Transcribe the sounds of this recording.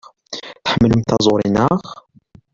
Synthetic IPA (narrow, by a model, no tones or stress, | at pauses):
θə̥ħəmːəlumt̪æzˤoɾˤinəχ